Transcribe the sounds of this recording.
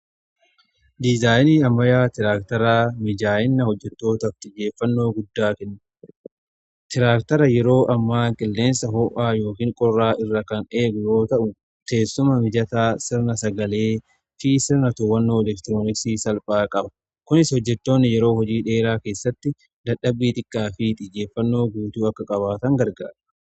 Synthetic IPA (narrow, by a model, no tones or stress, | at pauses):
d̪ɪzaːjniːɐmːɐjaːt̪ɪɾaːkt̪ɐɾaːmɪd͡ʒaːjɪnːɐhɔd͡ʒːɛt̪ːo̞ːt̪ɐft̪ɪd͡ʒe̞ːfːɐnːo̞ːɡʊd̪ːaːkɛnː | t̪ɪɾaːkt̪ɐɾɐjɛɾo̞ːʔɐmːaːkʼɪlːe̞ːnsɐɦoːʔaːjo̞ːkiːŋkʼɔrːaːʔɪrːɐkɐne̞ːɡʊjo̞ːt̪ɐʔʊ | t̪e̞ːsːʊmɐmɪd͡ʒɐt̪aːsɪɾnɐsɐɡɐle̞ː | fisɪɾnɐt̪ʊwɐnːo̞ːɛlɛkt̪ɪɾoːnɪksiːsɐlpʼaːkʼɐbɐ | kʊnɪshɔd͡ʒːɛt̪ːo̞ːnːɪjɛɾo̞ːhɔd͡ʒiːᶑe̞ːɾaːke̞ːsːɐt̪ːɪ | d̪ɐɗɐbːiːt̪ɪkʼːaːfit̪ʼɪd͡ʒːe̞ːfːɐnːo̞ːɡuːt̪uːɐkːɐkʼɐβaːt̪ɐŋɡɐɾɡa̰ːɾɐ̥